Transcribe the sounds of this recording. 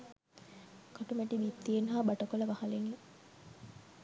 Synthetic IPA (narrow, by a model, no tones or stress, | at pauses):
kɐʈumæʈibit̪ːienɦaːbɐʈɐkolɐʋɐhɐleŋɡeŋ